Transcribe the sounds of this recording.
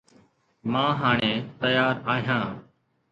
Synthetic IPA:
mãːɦaːɳ̃eːt̪əjaːɾaːɦijãː

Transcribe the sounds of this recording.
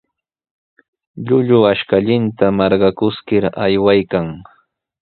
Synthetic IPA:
ʎʊʎʊaʃkaʎɪnt̪amɑɾɢɑkʊskɪɾajwajkaŋ

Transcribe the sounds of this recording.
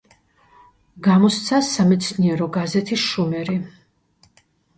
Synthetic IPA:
ɡamɔst̪sʰasamɛt̪sʰniɛɾɔɡazɛt̪ʰisʃumɛɾi

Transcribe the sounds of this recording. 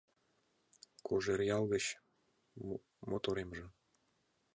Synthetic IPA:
koʒerjɑlˠɣə̆t͡ɕ | mot̪oɾemʒə̆

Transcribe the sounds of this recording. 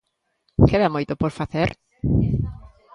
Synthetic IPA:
keðamojt̪opoɾfaθeɾ

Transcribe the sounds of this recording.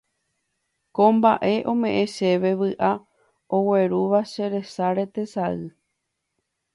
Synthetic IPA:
kõmbaʔe̞ʔõ̞mẽ̞ʔẽʃe̞ʋe̞ʋɨʔa | o̞we̞ɾuʋaʃe̞ɾe̞saɾe̞t̪e̞saɨ

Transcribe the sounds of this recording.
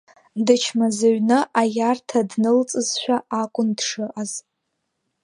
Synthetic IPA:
dɨt͡ʃʰmazaɥnɨʔajartʰadnɨlt͡sʼɨzʃʷᶣaakʷʼʊndʂɨʔaz̥

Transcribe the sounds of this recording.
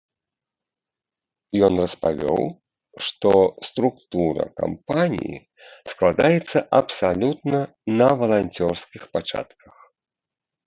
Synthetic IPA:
jɔnrɐspavʲɔ̰w | ʂt̪ɔst̪ɾukt̪uɾɐ̰ka̰mpanʲḭjḭ | sklˠad̪ajɛt̪sːɐʔɐpsalʲut̪̚nɐ | nɐvɐlˠanʲt͡sʲɔrskʲixpat͡ʂa̰t̪kɐx

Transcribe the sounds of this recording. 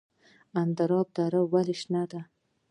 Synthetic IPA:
and̪aɾɑb̚d̪aɾawalɪʃnad̪a

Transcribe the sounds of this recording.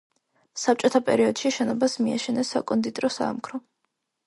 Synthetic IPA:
sap̚t͡ʃʼɔt̪ʰapʼɛ̰ɾiɔd̪̥ʃiʃɛnɔbasmia̰ʃɛnɛsa̰kʼɔnd̪it̪ʼɾɔsa̰ːmkʰɾɔ

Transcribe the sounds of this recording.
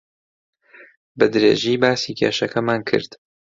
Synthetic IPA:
bɨd̪ɾḛːʒiːbaːsiːkʰeːʃɐkʰɐmaːnkʰɨ̰ɾd̪̥

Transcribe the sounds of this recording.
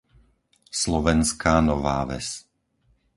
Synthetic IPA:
slɔʋɛnskaːnɔʋaːʋɛ̰s

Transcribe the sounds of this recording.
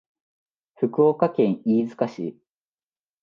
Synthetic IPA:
ɸɯ̟kɯ̟okakẽ̞ɰ̃iːzɨ̥kaɕḭ

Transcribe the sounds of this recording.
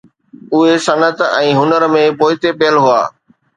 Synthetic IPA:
ʊɦesɐnət̪ɛ̃ːɦʊnəɾmẽpoːɪt̪epeːəlɦʊa̰ː

